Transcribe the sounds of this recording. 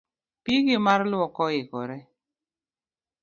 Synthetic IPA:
piɡɪmarlwɔkɔɪkɔɾɛ

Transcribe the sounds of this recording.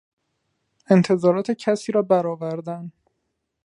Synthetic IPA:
e̞nt̪ʰe̞zɒːɾɒːt̪ʰe̞cʰæsiːɾɒːbæɾɒːvæɾd̪æn

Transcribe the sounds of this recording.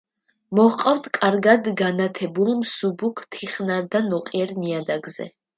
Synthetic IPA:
mɔhqʼawd̪ʰkʼaɾɡad̪ɡanat̪ʰɛbulˠmsubukʰt̪ʰiχnaɾd̪anɔqʼiɛɾniad̪aɡzɛ̰

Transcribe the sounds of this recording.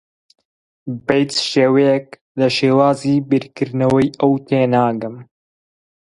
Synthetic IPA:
bejt̪sʃeːwɛjɛk̚ | lɐʃeːwaːziːbiɾkɨɾnɐwɐjɐwt̪ʰeːnaːɡɐm

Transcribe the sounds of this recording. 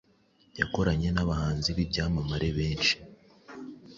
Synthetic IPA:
ja̰ko̞ɾaɲe̞naβahaːnziβibɟaːmamaɾe̞βe̞ːnʃi̥

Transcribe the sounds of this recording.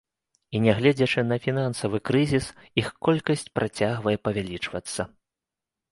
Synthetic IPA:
inʲɛɣlʲɛd͡zʲɐt͡ʂɨnɐfʲinansɐvɨkɾɨzʲisixkɔlʲkɐsʲt͡sʲpɾʔat͡sʲaɣvɐjɛpɐvʲalʲit͡ʂvɐt̪sːɐ

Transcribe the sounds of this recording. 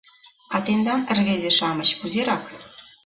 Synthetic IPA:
ɑt̪end̪ɑnɘ̆rβezʲeʃɑmɤ̆t͡ɕkuzeɾɑk

